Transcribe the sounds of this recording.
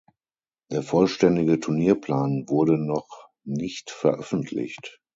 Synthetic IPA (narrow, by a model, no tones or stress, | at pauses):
d̥eːɐfɔlʃtɛndɪɡətʰʊɐniːɐpl̥aːnvʊɐɾənɔχ | nɪçtfɛɐʔœfn̩tʰlɪ̰çt